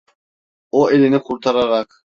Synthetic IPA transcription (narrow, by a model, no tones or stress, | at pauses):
oʔelɪnɪqʰuɾt̪ʰɑɾɑɾɑq